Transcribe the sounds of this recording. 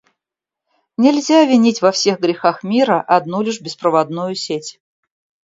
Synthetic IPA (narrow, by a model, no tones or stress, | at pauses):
nʲɪlʲzʲavʲɪnʲitʲvɐfsʲe̞xɡɾʲɪxaxmʲiɾəʔɐd̪nulʲɪʂbʲɪspɾəvɐd̪nujʊsʲetʲ